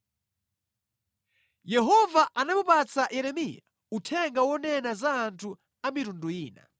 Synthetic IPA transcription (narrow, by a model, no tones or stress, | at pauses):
jɛɦɔvaʔanamupat͡saʔjɛɾɛmija | utʰɛŋɡawɔnɛnazaːntʰu | amitunduiːna̰